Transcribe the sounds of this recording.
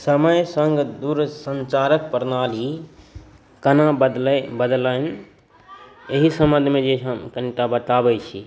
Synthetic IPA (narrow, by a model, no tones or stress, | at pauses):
səməjsəŋɡd̪uɾsənt͡ʃaɾək̚pəɾnali | kənab̪bəd̪lən | eɦisəmə̃nd̪ʱmed͡ʒeəmkənʈabəʈ̪abɛt͡ʃʰi